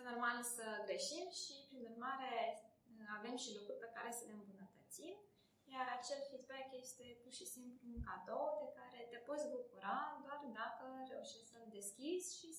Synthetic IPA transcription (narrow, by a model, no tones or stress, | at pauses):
əno̞rmalsəɡɾe̞ʃimʃipɾinurmaɾe̞ | ave̞mʃilukɾurʲpe̞kaɾe̞səle̞ɨmbunət̪ət̪sim | jaɾat͡ʃe̞lfid̪bɛkje̞st̪e̞purʃisimpluunkad̪o̞wpe̞kaɾe̞t̪e̞po̞t̪sʲbukuɾad̪oard̪akəɾe̞uʃisəld̪e̞skʲizʲʃi